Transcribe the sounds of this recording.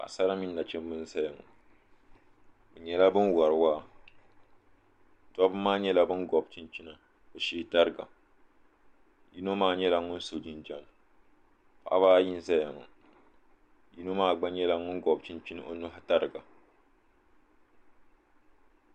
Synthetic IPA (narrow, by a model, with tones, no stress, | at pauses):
a̰˨sa˦ɾa˦mi˦nːa˨t͡ʃɛ˦mbɨ˦n̩˦za˦ja˨ŋɔ̰˨ | bɨ˨ɲɛ˦la˦bɨ˦nwa˨ɾɨ˨waː˦˨ | tɔ˦bɨ˦mːaː˦ɲɛ˦la˦bɨ˦nɡɔ˨b̚t͡ʃi˦nt͡ʃi˦na˨ | bɨ˨ʃeː˦˨ta˦ɾɨ˦ɡa̰˨ | ji˦no˦maː˦˨ɲɛ˦la˨ŋʊ˦n̩˦so˨d͡ʒi˨nd͡ʒa˦n˨ | pa̰˨˦βaː˦ji˦n̩˦za˦ja˨ŋɔ̰˨ | ji˦no˦maː˦˨ɡ͡ba˦ɲɛ˦la˨ŋʊ˦ɡɔ˨b̚t͡ʃi˦nt͡ʃi˦n˨ʔo˦nu˦ɦa˦ta˦ɾɨ˨ɡa˨